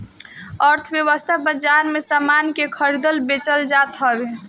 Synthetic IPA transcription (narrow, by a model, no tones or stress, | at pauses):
əɾt̪ʰəbjəwəst̪ʰabəd͡ʒaɾmesamankekʰəɾid̪əlbet͡ʃəld͡ʒat̪ɦəbe